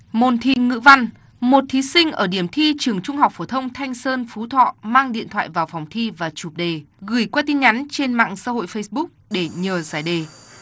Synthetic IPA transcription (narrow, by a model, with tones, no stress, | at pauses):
mo˨˩nt̪ʰi˧ŋɨ̰˧˥va˧n | mo˨˩t̚t̪ʰi˨˦sï˧ŋ̟ʔəː˧˩ɗi˧˩əmt̪ʰi˧t͡ɕɨ˨˩əŋt͡ɕʊ˧ŋ͡mɦa˨˩wk͡p̚fo˧˩t̪ʰə˧wŋ͡mt̪ʰa˧jŋ̟səː˧nfu˨˦t̪ʰɔ̰˧˨maː˧ŋɗḭ˧˨ənt̪ʰwa̰ː˧˨jvaː˨˩wfɔ˨˩wŋ͡mt̪ʰi˧vaː˨˩t͡ɕu˨˩p̚ɗe˨˩ɣɨ˧˩jkwaː˧t̪i˧nɲa˨˦nt͡ɕe˧nma̰ː˧˨ŋsaː˧ɦo̰˧˨jfə˧jsɓʊ˦˥k̚ɗe˧˩ɲəː˨˩zaː˧˩jɗe˨˩